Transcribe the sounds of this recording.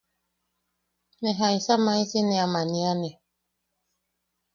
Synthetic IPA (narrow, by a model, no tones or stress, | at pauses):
nɛɦaisamaisinɛamanianɛ